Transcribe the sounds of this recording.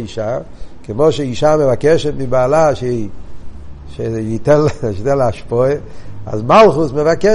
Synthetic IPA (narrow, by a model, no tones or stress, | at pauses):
iʃakemoʃeiʃamevakɛʃɛt̪mɪbaːlaʃei | ʃeit̪ɛnlit̪ɛnlaʃpɔea̰zmalˠχusmevakɛ